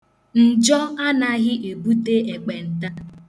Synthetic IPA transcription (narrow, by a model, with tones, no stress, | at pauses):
n̩˨d͡ʒɔ˦a˦na˨ɣɪ˦ʔe˨bu˦te˦e˨k͡pe˨n̩˨ta˦